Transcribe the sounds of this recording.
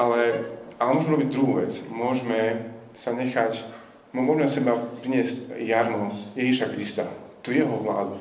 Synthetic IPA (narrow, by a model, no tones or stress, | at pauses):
alɛalɛmʊɔʒmɛɾɔbiɟd̪ɾuɦuːʋɛt͡smʊɔʒmɛ | saɲɛxac | mmɔʒmɛsɛbapɾiɲɪɛzcjaɾmɔjɛʒiʃakɾist̪a̰t̪uːjɛɦɔʋla̰ːd̪u